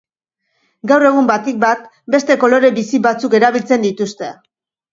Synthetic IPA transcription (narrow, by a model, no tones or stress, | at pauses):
ɡawre̞ɣ̞umbat̪ik̚bat̪̚ | be̞st̪e̞ko̞lo̞ɾe̞bisiβat͡suke̞ɾaβilt͡se̞nd̪it̪ust̪e̞